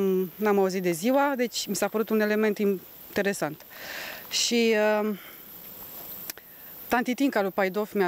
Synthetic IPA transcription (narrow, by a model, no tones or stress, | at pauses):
namauzit̪d̪e̞ziwad̪e̞t͡ʃʲmisapəɾut̪une̞le̞me̞nt̪in | t̪e̞ɾe̞sant̪ | ʃiə | t̪ant̪it̪iŋkalupajd̪o̞fmʲa